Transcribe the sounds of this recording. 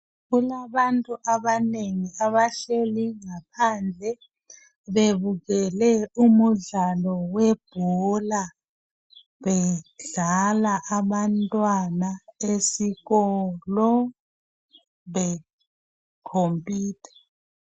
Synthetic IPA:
ɣulaβantʼuʔaβaneŋiaβaɬeliŋapʰand͡ɮʱɛ | βeβuɣɛlɛumuɮalɔwɛb̥ʱɔla | βɛɮalaʔaβantʼwanaesiɣɔlɔ | βɛ | kʰompʰʼiːtʰɛ̥

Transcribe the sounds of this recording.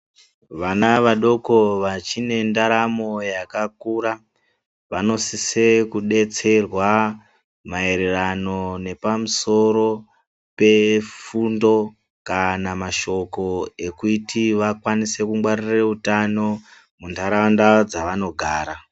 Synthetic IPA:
ʋanaʋaɗo̞ko̞ʋat͡ʃine̞ndaɾamo̞jakakuːɾa | ʋano̞sisekuɗe̞t͡se̞rwa | mae̞ɾerano̞ne̞pamuso̞ɾo̞ | pe̞fundo̞ | kanamaʃo̞ko̞e̞kutiʋakwanise̞kumwarireutano̞ | mundaɾandad͡zaʋano̞ɡʱaːɾa

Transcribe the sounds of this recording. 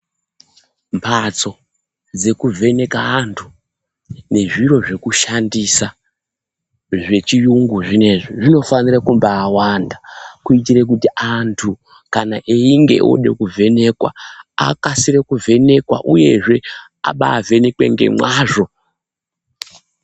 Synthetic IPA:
mpʰat͡so̞ | d͡ze̞kuvʱe̞ne̞kaːntʰu̥ | ne̞ʐiro̞ʐe̞kuʃandisa | ʐe̞t͡ʃijuŋɡuʐine̞ʐiʐino̞fanirakumbaːwandakuitiɾek̬utiantʰu | kanaʔeiŋɡe̞̰ʔo̰ɗe̞̰kuvʱe̞ne̞kwa̰a̰kasiɾekuve̞ne̞kwa̰ʔuje̞̰ʐe̞ | a̰ɓaːve̞ne̞kwe̞̰ŋɡe̞̰mwaːʐo̞

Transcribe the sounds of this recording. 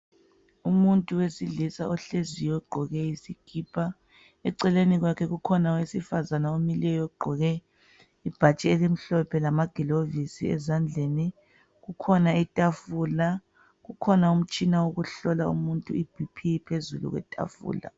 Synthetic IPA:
umuntʼuwesiɮisa̰ʔɔɬezijɔɡ͡ǃʱɔɣɛisiɡ̥ʱipʰʼa | ɛǀɛleniɣwakʰɛɣukʰɔnawesifazanaomilɛjɔɡ͡ǃʱɔɣɛ | ib̥ʱat͡ʃʼɛelim̩ɬɔpʰɛlamaɡ̥ʱilovisḭɛ̰zand͡ɮʱeni | ɣukʰɔnaitʼafuːla | ɣukʰɔnaum̩t͡ʃʼinawoɣuɬɔlaṵmuntʼuib̥ʱipʰipʰezulṵɣwɛ̰tʼa̰fṵːla̰

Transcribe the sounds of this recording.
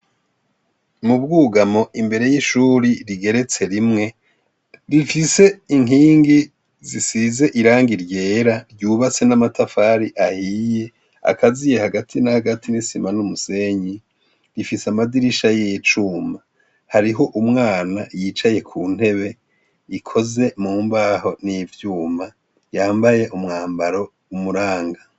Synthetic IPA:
mubɡuːɡamo̞ʔimbe̞ɾe̞jiʃuːɾiɾiɡe̞ɾe̞t͡se̞ɾimŋe̞ | ɾifise̞iŋɦiːŋɡi | zisize̞ʔiɾaːŋɡiɾje̞ːɾaɾjuːβat͡se̞namatʰafaːɾiʔahiːje̞ | a̰kʰazije̞haɡatʰinahaɡatʰinisimanumuse̞ɲi | ɾifisamadiɾiʃajet͡ʃuːma | haɾiɦo̞ʔumŋaːnajit͡ʃaje̞kʰuːn̥he̞βe̞ | ikʰo̞ze̞muːmbaɦo̞nivjuːma | jaːmbaje̞ʔumŋaːmbaɾo̞ | umuɾaːŋɡa

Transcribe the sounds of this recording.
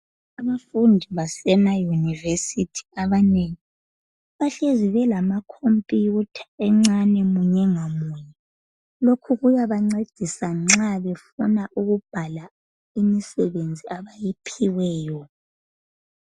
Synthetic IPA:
aβafundʱiβasɛnajunivesitʰi̥aβaneŋi | βaɬeziβɛlamakʰompʼjutʰḁɛŋ͡ǀanɛmuɲɛŋamujɛ | lokʰuɣujaβaŋ͡ǀed̥ʱisaŋ͡ǁaβɛfunaʔuɣub̥ʱala | imisɛβend͡zʱiaβajipʰiwɛːjɔ

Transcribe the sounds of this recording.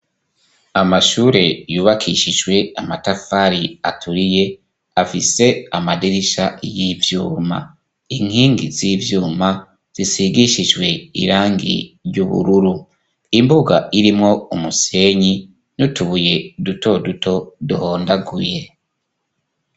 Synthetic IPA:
amaʃuːɾe̞juːβakʰiʃiʒwe̞amatafaɾiatʰuɾije̞ | afise̞amadiɾiʃajivjuːma̰ | iŋ̥hiːŋɡḭzivjuːma | z̥isiɡiʃiʒwe̞ḭɾaːŋɡḭɾjuβṵɾuɾu | imbuɡaʔiɾimŋo̞umuse̞ːɲi | nutuβuje̞duto̞duto̞duho̞ːndaɡuje̞

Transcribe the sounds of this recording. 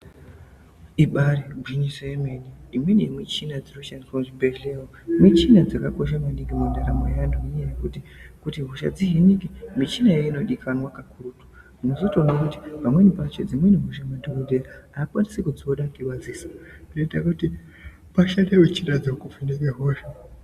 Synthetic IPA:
iɓaɾiɡʱiɲiseemeniimwenemwit͡ʃinad͡ziroʃankoʐibeɮewomwit͡ʃinad͡zakako̞ʃ̬amaniŋɡimundaɾa̰mo̰janduijejekutikutiɦuʃa̰d͡ziɦenikimit͡ʃinajeino̞ɗikʰanwakakurutu̥ | munozo̞tonwakuti̥pamwenipat͡ʃe̞̰d͡zimweniɦoʃ̬amandoudʱeaaakwanisekud͡zioɗakiβad͡zisḁideitakuti | paʃanewet͡ʃinad͡zikufinikeɦoʃa

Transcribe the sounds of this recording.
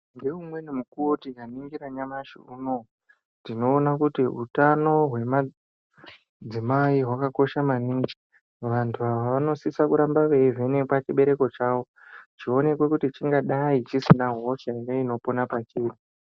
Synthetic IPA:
ndeumwe̞nimukuwotikaniŋɡiɾaɲamaʃḭuno̞ | ndino̞ːnakutiɦṵtano̞ɦwe̞ma | d͡zimaiɦwakako̞ʃamaniŋɡi | ʋantʰuaʋaaʋano̞sisakuɾambaʋe̞ivenekwat͡ʃiɓe̞ɾe̞ko̞t͡ʃaːwo̞ | t͡ʃio̞ne̞kwe̞kutit͡ʃiŋɡaɗait͡ʃisinaɦo̞ʃaineino̞ponapat͡ʃiːri

